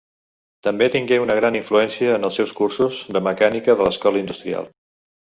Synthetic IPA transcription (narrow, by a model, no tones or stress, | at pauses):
t̪əmbet̪iŋɡɛunəɣɾaniɱfluɛnsiəːnəlˠsɛwskursuzðəməkanikəðələskɔləind̪ust̪ɾia̰lˠ